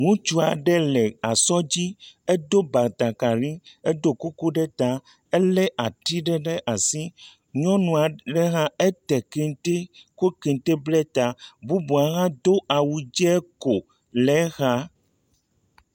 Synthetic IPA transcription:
ŋũ˦t͡ʃu˦a˨ɖɛ˦lɛ˨a˨sɔ˦d͡ʑi˦e˦d̪o˦ba˨t̪a˨ka˨lĩ˦e˦d̪o˦ko˦ko˦ɖɛ˦t̪a˦ | ɛ˦lɛ˦ʔa˨ti˦ɖɛ˦ɖɛ˦ʔa˨si˦ | ɲɔ̃˦nũ˨a˨ɖɛ˦ɣã˦ɛ˦t̪ɛ˨ke˨t̪e˦ko˦ke˨nt̪e˦blɛ˦t̪a˨bu˦bu˨a˨ɣã˦d̪o˦ʔa˨wu˨d͡ʒɛ˦ɛ˦ko˨ | lɛ˨˦ɣa˦

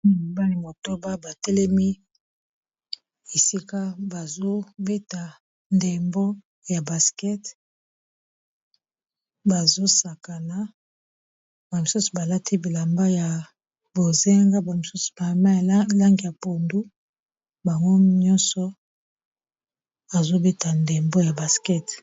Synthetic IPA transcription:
ba˦li˨mo˨to˦ba˦ba˨tɛ˦lɛ˦mi˦ | e˨si˦ka˦ba˨zo˦be˦ta˨ | nde˨mbo˦ | ja˨ba˨skɛ˦t | ba˨zo˦sa˨ka˨na˨ | ba˨mi˨su˦su̥˨ba˨la˦tʰi˦bi˨la˨mba˦ja˨ | bo˨ze˦ŋɡa˦ba˨mi˨su˦su̥˨ba˨ma˦ja˨la˦ŋɡi˨ja˨po˨ndu˦ | ba˨ŋɡo˦ɲɔ˦nsɔ˨ | a˨zo˦be˦ta˨nde˨mbo˦ja˨ba˨skɛ˦t

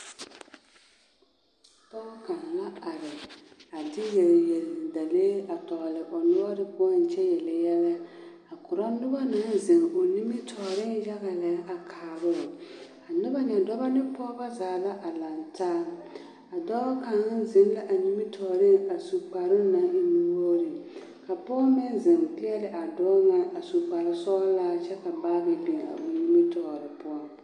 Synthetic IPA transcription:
d̥ɔː˦ka˨ŋ˨la˦a˨ɾɪ˨a˨dɪ˦je˨lje˨lɪ˨da˨leː˦a˨tɔː˨lɪ˨ʔɔ˨nʊ˦ba˦dɪ˦kʊ˦ɔ˦n˨t͡ʃɛ˦jɛ˨lɪ˨jɛ˦lɛ˦ | a˨kʊ˨ɾɔ˦nʊ˦ba˦na˨˦n˦zɪ˨ŋo˨ni˦mi˦tʰɔː˨ɾɪ˦n˦ja˦ɣa˨lɛ˨˦ʔa˨kʰaː˨bʊ˦˨ | a˨nʊ˦ba˦ɲɛ˨dɔ˦ba˦nɪ˦pɔː˦ba˦zaː˨˦˨la˦ʔa˨la˨ntʰaː˦ | a˨dɔ˦ka˨ŋ˦n˦zɪ˨˦n˦la˦ʔa˨ni˦mi˦tʰɔː˨ɾɪ˦ŋa˨su˨k͡pa˨ɾɪ˦na˦ŋ̩˦nu˦wo˦ɾɪ˨ | ka˨pɔː˦mɪ˦nzɪ˨ŋpɪ˦ɛ˦lɪ˨ʔa˨dɔː˦ŋa˦a˨su˨k͡pa˨ɾɪ˨sɔ˦laː˦t͡ʃɛ˦ka˨baː˦ɣɪ˨bi˨a̰˨o˨ni˦mi˦tɔː˨ɾɪ˨pʊ˦ɔ˦

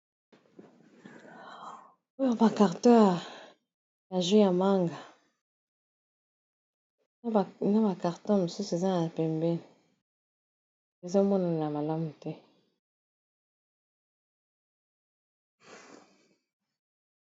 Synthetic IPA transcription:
o˦jɔ˦˨ba˨ka˨ʁtɔ˦a˨ | ja˨ʒu˦ja˨ma˦ŋɡa˨ | na˦ba˨ka˨ʁtɔ̃˦mo˨su˦su˨e˨za˦n˨a˨pɛ˨mbɛ˦n˨ | e˨zo˦mɔ˦na˨na˨ma˨la˦mu˨tɛ˦

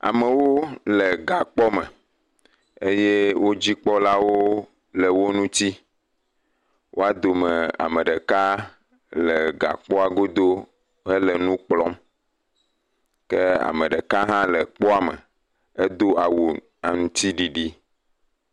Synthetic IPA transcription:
a̰˨mẽ˨wo˦le˨ɡa˨k͡pɔ˦mɛ̰˨ | e˦je˦wo˦d͡ʑi˦k͡pɔ˦la˦wo˦ | lɛ˨wo˦nũ˦t̪i˦ | wʔo̰˦a˦d̪o˨me˨a̰˨mẽ˨ɖɛ˨ka˦ | lɛ˨ɡa̰˨k͡pɔ˦a˨ɡo˦d̪o˦ | ɦɛ˦lə˨nũ˦k͡plɔ˦m | ke˦a̰˨me˨ɖe˨ka˦ɦã˦lə˨k͡pɔ˦a˨mḛ˨ | e˦d̪o˦a˨wu˨ | a˨ŋũ˨t̪i˦ɖi˨ɖi˦

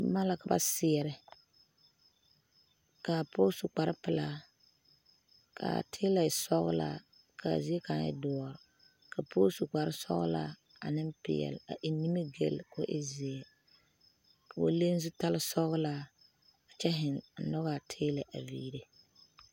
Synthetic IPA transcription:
ma˦la˨ka˨ba̰˦sɪ˨ɛ˨ɾɪ˨ | ka˨pʰo˦su˨k͡pa˨ɾɪ˦pɨ˨la˦ | kʰa̰˨tʰeː˦la˨sɔ˦ɣʊ̰˦la̰˨˦ | kʰa̰˨zɪ˦ɛ˦ka˨˦ɪ̰˦dɔ˦ɔ˨ɾɪ˨ | ka˨pʰo˦su˨k͡pa˨ɾɪ˦sɔ̰˦ɣʊ̰˦la̰˦ | a̰˨nɪ˦mpɪ̰˨ɛ̰˨la̰˨ʔɪ˨˦ni˦mi˦ɡe˦˨lkʊ̰˦ʔɪ˦zi˨ɛ˨ | o̰˦le˦n˦zʊ˦ta˦lɪ˦sɔ˦ɣɨ˦la˦ | a˨t͡ʃɛ˦ɦɪ˨nn̩˨nɔ˦ɣa˨tʰeː˦lɛ˨ʔa˨vḭː˦ɾe˦

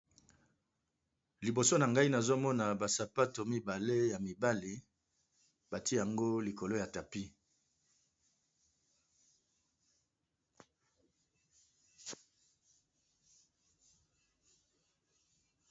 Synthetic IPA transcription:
li˨bo˨so˦na˨ŋɡa˦i˦na˨zo˦mɔ˦na˨ba˨sa˨pa˦to˨mi˦ba˨le˦ja˨mi˨ba˦li˨ | ba˨ti˦ja˨ŋɡo˦li˨ko˨lo˦ja˨ta˨pi˦

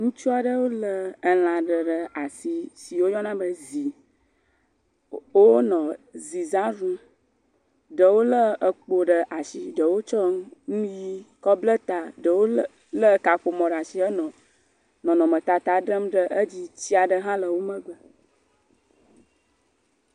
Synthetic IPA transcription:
ŋũ˦t͡ʃu˦a˨ɖə˦wo˦lə˦ə˨l̃ã˨ɖə˨ɖə˨a˨si˨si˨wo˦jɔ˦nã˦bə˦zi˨ | wo˦nɔ̃˨zi˨zã˦ɾũ˦ | ɖə˨wo˦lə˦ə˨k͡po˨ɖə˨ʔa˨ʃi˨ɖə˨wo˦t͡ʃɔ˦ŋ˦nũ˦ji˦kɔ˦blə˦t̪a˨ɖə˨wo˦ | lə˦ka˨ɸo˨mɔ̃˨ɖa˨ʃi˦ə˦nɔ̃˨ | nɔ̃˨nɔ̃˨mə˨t̪a˨t̪a˨ɖə˦mɖə˦ʔə˦d͡ʑi˦t͡ɕi˦a˨ɖə˦ɦã˦lə˨wo˦mə̃˦ɡ͡bə˨

